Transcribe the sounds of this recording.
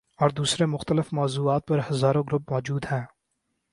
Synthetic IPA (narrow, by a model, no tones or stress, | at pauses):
ɔːɾd̪uːsɾemʊxt̪əlɪfmɔːzuːaːt̪̚pɐɾhɐzaːɾõɡɾʊp̚mɔːd͡ʒuːd̪ɦɛ̃ː